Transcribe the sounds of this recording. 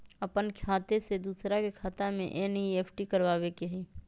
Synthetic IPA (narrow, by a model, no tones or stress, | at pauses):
ɐpənkʰaːt̪esed̪uːsɾakekʰaːt̪amḛ̃ʔenieːpʰʈikɐɾʋaːʋekeɦiː